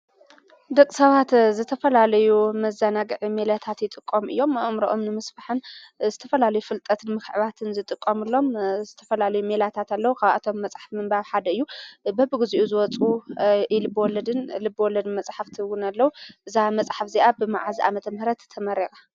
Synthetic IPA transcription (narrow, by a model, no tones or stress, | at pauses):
d̪ɐkʼsɐβat̪zɨt̪ʰɐfɐlalɐjumɐzanaɡɨʕime̞lat̪ʰat̪jɪt̪ʼɨkʼːomɨ̰jːo̞mʔɨmɾoʔomnɨmɨsbaħɨnzɨt̪ʰɐfɐlalɐjufɨlt̪ʼɐt̪ʰɨnmɨxʕɨβat̪ʰɨnzɨt̪ʼɨkʼːɐmɨlːo̞mzɨt̪ʰɐfɐlalɐjume̞lat̪ʰat̪alːɐwukʰaβʔa̰t̪ʰo̞mːɐt͡sʼħḁfmɨmbaβħad̪ɐɨjːubɐbɨɡɨziʔuzɨwɔt͡sʼuɪlɨbːwɔlːɐd̪ɨnlɨbːɨwɔlːɐd̪ɨnmɐt͡sʼħaft̪ʰɨwunalːɐwuʔɨzamɐt͡sʼħafziʔabɨma̰ʕaziʔa̰mɐt̪ʰɐmhɨɾɐt̪ːʰɐmɐɾekʼa